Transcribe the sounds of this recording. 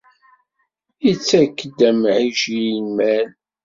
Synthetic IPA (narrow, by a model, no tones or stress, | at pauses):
it͡sːækːd̪æmʕiʒinmæl